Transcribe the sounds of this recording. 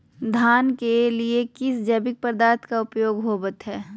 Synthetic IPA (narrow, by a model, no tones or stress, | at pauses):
d̪ʱaːnkeliekɪsd͡ʒɐːbɪk̚pəɾd̪aːɾt̪ʰkaʊpjoːɡɦoːbət̪ɦɛː